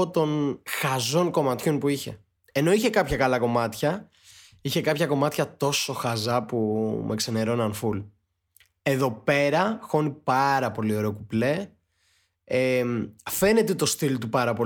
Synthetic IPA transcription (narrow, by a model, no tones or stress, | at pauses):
ot̪o̞nxɐzo̞ŋko̞mɐt̪çonpuiçe̞̰ | e̞no̞içe̞kɐpçɐkɐlɐko̞mɐt̪çɐ | içe̞kɐpçɐko̞mɐt̪çɐt̪o̞so̞xɐzɐpumʔeksene̞ɾo̞nɐnful | e̞ðo̞pe̞ɾɐxo̞nipɐɾɐpo̞lio̞ɾe̞okuple̞ | emfe̞ne̞t̪et̪o̞st̪ilt̪upɐɾɐpo